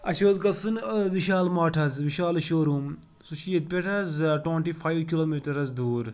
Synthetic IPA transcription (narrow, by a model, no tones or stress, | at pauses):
ɐʃoːzɡɐlsɨnʋiʃaːlmaːʈʰɐzʋiʃaːlʃoːɾuːm | suʃiːɐt̪̚pʲeʈʰɐzʈweɳʈiːfʰaːjʋkiloːmiːʈɐɾɐzd̪uːɾ